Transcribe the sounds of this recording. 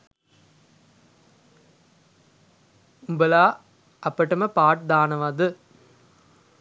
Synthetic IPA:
mbɐlaː | ɐpːɐʈːɐmɐpaːʈ̚d̪aːnɐʋad̪ɯ

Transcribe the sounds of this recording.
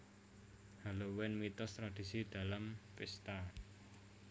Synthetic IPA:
halowɪnmit̪ɔst̪ɾad̪̥i̤sid̪̥a̤lampɪst̪a

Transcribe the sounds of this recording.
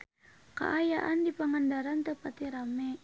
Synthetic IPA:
ka̰ʔajaʔandipaŋandaɾant̪əpat̪iɾamɛ

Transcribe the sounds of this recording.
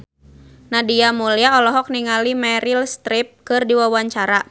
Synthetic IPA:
nadiamuliaɔlɔɦɔk̚niŋalimɛɾilst̪ɾip̚kɨrdiwawaɲt͡ʃaɾa

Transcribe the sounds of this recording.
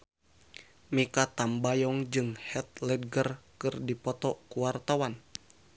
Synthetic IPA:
mikat̪ambajɔŋd͡ʒɨŋhɛt̪̚lɛd̚ɡərkɨrdipɔt̪ɔkuwart̪awan

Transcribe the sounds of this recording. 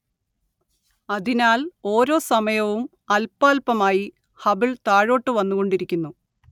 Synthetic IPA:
ɐðinaːlo̞ːɾo̞ːsɐmɐjɐʋum | ɐlpːaːlpɐmaːji | hɐbiɭt̪aːɻo̞ːʈːɨʋɐnːuɣo̞ɳɖiɾikʲːunːu

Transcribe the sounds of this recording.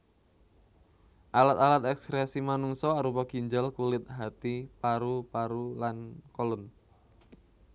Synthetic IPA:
ʔalat̪alat̪ɛksɾɛsimanuŋsɔaɾupɔkiɲd͡ʒəlkulɪt̪̚ɦat̪ipaɾupaɾulankɔlun

